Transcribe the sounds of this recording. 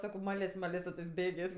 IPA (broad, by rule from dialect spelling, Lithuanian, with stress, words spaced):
ˈsɑːkoː ˈmɑːlʲeːsʲ ˈmɑːlʲeːs sʊ tɜs ˈbʲeːɡʲeːsʲ